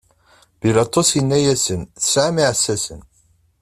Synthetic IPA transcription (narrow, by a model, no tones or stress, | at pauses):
b̥ilɑt̪ˤːosjənːæjæsənθəsʕamiʕəsːæsən